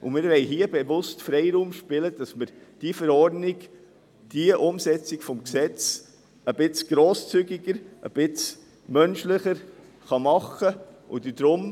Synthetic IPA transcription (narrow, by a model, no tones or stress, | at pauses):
ʔʊ̰mɪɾʋɛɪɦiːəbɛvʊstfɾɛɪɾuːmʃpɪləd̥ɑsməɾd̥ifəɾɔrdniɡ | d̥iəʔʊmsɛt͡siɡfɔmksɛt͡s | əbɪt͡sɡ̥ɾoːst͡syɡɪɡəɾʔə̰b̥ɪt͡s | mœnʃlɪχəɾ | χɑmɑχəʔʊ̰d̪id̥̪ɾʊm